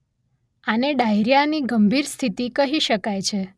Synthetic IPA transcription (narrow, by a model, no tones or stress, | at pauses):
aneɖajɾjaniɡəmbʱiɾst̪ʰit̪ikəɦiʃəkajt͡ʃʰe